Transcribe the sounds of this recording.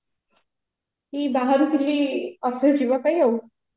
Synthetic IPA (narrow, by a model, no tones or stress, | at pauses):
ɦiːbaɦaɾukliːəsəd͡ʑiʋakaɦiːɦawu